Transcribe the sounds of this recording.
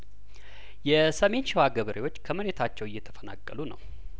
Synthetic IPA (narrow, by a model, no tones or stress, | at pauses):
jɛsəme̞nʃɪwaɡəβəɾʔewo̞t͡ʃːkʰəməɾe̞t̪ʰat͡ʃːɛwɪjːɛt̪ʰə̥fəna̰kʼːəlunə̰w